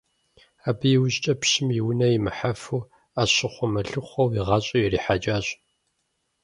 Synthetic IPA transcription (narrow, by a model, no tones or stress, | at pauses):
aːbɨjɪwʊɕt͡ʃʼɐpɕɪmjiwʊnɐjimɨħafuː | aːɕɪχʷɔmɐɬɨχʷɔwiʁɑɕʼɐjɛriːħad͡ʒaːɕ